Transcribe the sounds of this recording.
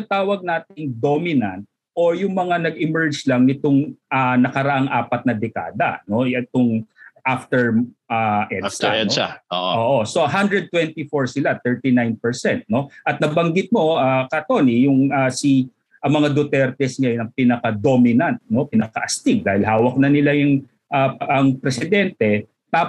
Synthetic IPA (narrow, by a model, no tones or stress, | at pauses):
ɪnɐt̪aːwɐɡ̚naːt̪ɪŋd̪omɪnɐnt̪̚ | ʔojʊŋmɐŋanɐɡɪmɛɹd͡ʒlɐŋnɪt̪oŋʔanɐkɐɾɐʔaŋʔaːpɐt̪̚nɐd̪ɛka̰ːd̪ɐ̰no̞ɛt̪oŋʔaft̪ɛɹ | aʔɛdsɛɛaoʔʔoːʔosoɦand̪ɹɛd̪̚t̪wɛnt̪ifoɹsɪlat̪ɛɹt̪inajnpɛɹsɛnt̪̚no̞ʔɐt̪̚nɐbɐŋɡɪt̪̚mo̞ʔakɐt̪onijʊŋasi | ʔɐŋmɐŋad̪ot̪ɛɾt̪ɛsɲaj̪ɐŋpinɐkad̪omɪnɐnt̪̚no̞pɪnɐkɐʔɐst̪iɡ̚d̪aːhɪlɦaːwɐk̚nɐnɪlajʊŋ | ʔaɐŋpɾɛsɪd̪ɛnt̪ɛ | t̪a